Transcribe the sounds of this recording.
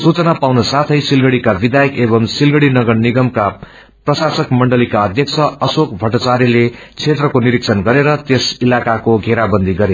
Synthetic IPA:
sut͡sʌnapawnosat̪ʰʌjsilɡʌɽikabid̪ajʌkebʌmsilɡʌɽinʌɡʌɽniɡʌmka | prʌsasʌkmʌɳɖʌlikaʌd̪ʱjʌk̚t͡sʰʌʌsokbʱʌʈat͡saɾile | t͡sʰet̪rʌkoniɾiksʰʌnɡʌɾeɾʌt̪esilakakoɡʱeɾabʌnd̪ʱiɡʌɾe

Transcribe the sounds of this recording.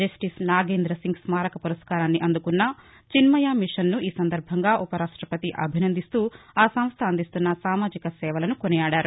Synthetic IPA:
d͡ʒɐsʈisnaːɡeːnd̪ɾɐsiŋɡsmaːɾɐkɐpuɾɐskaːɾaːnːiʔɐnd̪ukunːɐ | t͡ʃinmɐjaːmiʂɐnnuʔiːsɐnd̪ɐɾbʱɐŋɡaːʔupɐɾaːʂʈɾɐpɐt̪iʔɐ̰bʱinɐnd̪ist̪uːaːsɐ̃m̃st̪ʰɐːnd̪ist̪unːɐsaːmaːd͡ʒikɐsɛːʋɐlɐnukonɛjaːɽaːɾu

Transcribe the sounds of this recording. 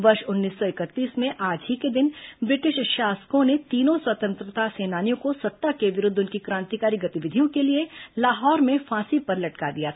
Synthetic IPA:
ʋɐɾʃʊnːiːsːɔɪkət̪ːiːsmẽʔaːd͡ʒɦiked̪ɪnbɾɪʈɪʃʃaːsə̥kõnet̪iːnõswɐt̪ə̃nt̪ɾət̪aseːnaːnijõkosɐt̪ːakeʋɪɾʊd̪ʱʊnkikɾãːnt̪ikaːɾiɡɐt̪ɪʋɪd̪ʱijõkelielaːɦɔːɾmẽfʰãːsipɐɾlɐʈkad̪ijaː

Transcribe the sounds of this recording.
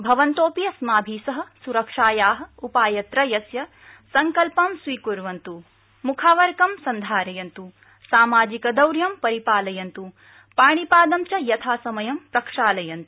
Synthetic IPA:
bʱɐʋɐnt̪oːpijɐsmaːbʱiːsɐɦɐ̆suɾɐkʂaːjaːɦɐ̆upaːjɐt̪ɾɐjɐsjɐ | sɐŋkɐlpɐmsʋiːkuɾʋɐnt̪u | mukʰaːʋɐɾkɐmsɐnd̪ʱaːɾɐjɐnt̪u | saːmaːd͡ʒikɐd̪ɐwɾjɐmpɐɾipaːlɐjɐnt̪u | paːɳipaːd̪ɐmt͡ʃɐjɐt̪ʰaːsɐmɐjɐmpɾɐkʂaːlɐjɐnt̪u̥

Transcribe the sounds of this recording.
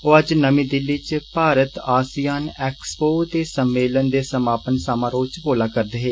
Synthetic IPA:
oːəd͡ʒnəmĩːd̪ɪlːiːt͡ʃpaːɾət̪aːsijaːnɛːkspoːt̪eːsəmːeːlənd̪eːsəmaːpənsaːmãːɾoːt͡ʃpoːlaːkəɾd̪eːɦeː

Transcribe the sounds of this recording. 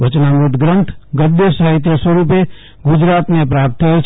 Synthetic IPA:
ʋət͡ʃnamɾut̪ɡɾə̃nt̪ʰɡəd̪ːesəɦit̪̬ɾəswəɾupe | ɡud͡ʒɾat̪nepɾap̚t̪ʰət͡ʃʰ

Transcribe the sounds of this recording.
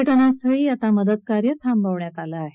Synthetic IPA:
əʈənasʰəɭiːat̪aməd̪ət̪̚kaɾjət̪ʰambʱaʋɳjat̪alaːɦe

